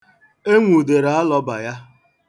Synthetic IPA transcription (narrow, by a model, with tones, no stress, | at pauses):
e˦ŋʷu˨de˨ɾa˨a˦lɔ˦ba˨ja˦